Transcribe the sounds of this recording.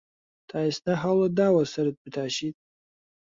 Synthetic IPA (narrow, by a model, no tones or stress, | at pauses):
tʰaːjsnaħaladawasaɾad̚bɨtʰaːʃitʼ